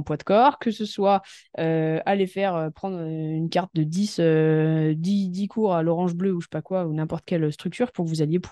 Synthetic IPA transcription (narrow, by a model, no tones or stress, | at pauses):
pwad̪kɔʁkəsəswaøalefɛʁøpχɑ̃d̪ʁøynkaʁt̪̚d̪əd̪isød̪id̪ikʰuʁalɔʁɑ̃ʒbløuʃe̥pakwaunɛ̃pɔʁt̪əkʲɛlst̪χyk̚t̪yʁpuʁkəvuzaljep